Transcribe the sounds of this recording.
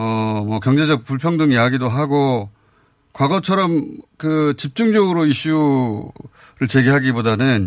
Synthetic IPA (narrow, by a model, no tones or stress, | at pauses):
ʌmʌkjʌŋd͡ʑe̞d͡ʑʌk̚puɭpʰjʌŋdɯŋijaɡidoɦaɡo | kwaɡʌt͡ɕʰʌɾʌmkɯt͡ɕip̚t͡ɕ͈uŋd͡ʑʌɡɯɾoiɕ͈u | ɾɯɭt͡ɕe̞ɡeɦaɡibodanɯn